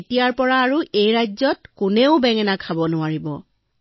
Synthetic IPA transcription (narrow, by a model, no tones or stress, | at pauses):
tijaɹpɔɹaːɹuʔejɹajzɔtkʊneʊbɛŋɛnakʰabɔnʊaɹibɔ